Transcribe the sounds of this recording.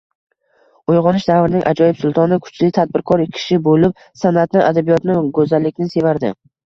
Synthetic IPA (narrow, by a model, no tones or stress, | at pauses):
ojʁɒnɪʃd̪avɾɪnɪŋʲʔa̰d͡ʒɒjɪpsʊlˠt̪ʰɒnɪkʰʊ̥t͡ʃlɪt̪ʰad̪̚bɪɾkʰɒɾɪkʲʰɪ̥ʃɪbolɪp̚ | sanat̪nɪʔad̪abijɒt̪nɪɡɵzalːɪk̚ʲnɪse̞vaɾd̪ɪ̰